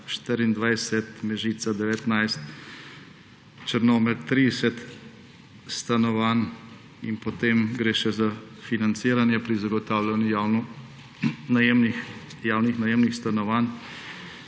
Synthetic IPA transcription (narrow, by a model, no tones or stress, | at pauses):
ʃt̪ɪɾind̪ʋajsɛt̪mɛʒiːt̪sad̪ɛʋɛt̪najst̪ | t͡ʃəɾnoːmɛɾt̪ːɾid̪ɛsɛt̪ | st̪anɔʋan | ḭnpɔt̪emɡɾeːʃɛza | finant̪siːɾanjɛpɾizaɡɔt̪aːwlanjujawnu | najemni | jaːwnixnajemnixst̪anɔʋan